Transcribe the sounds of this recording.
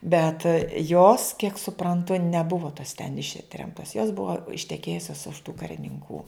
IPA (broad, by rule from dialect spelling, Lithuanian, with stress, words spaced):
bʲɛt joːs kʲiɛk sʊprɐnˈtʊ nʲɛˈbʊʋoː toːs tʲɛn ˈɪʃʲtʲrʲɛmtoːs joːs ˈbʊʋoː ɪʃʲtʲɛˈkʲeːjʊsʲoːs ʊʃ tuː kɐrʲɪnʲɪŋˈkuː